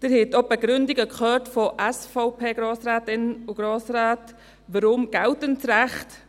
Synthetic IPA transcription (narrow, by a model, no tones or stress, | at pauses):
d̥ɪɾhɪtɔbəɡɾʏndɪɡəkχœːtfɔʔɛsfaʊpʰeːɡ̥ɾoːsɾaːtɪnəuɡ̥ɾoːsɾaːt | ʋəɾʊmɡ̥ɛltənt͡sɾɛχt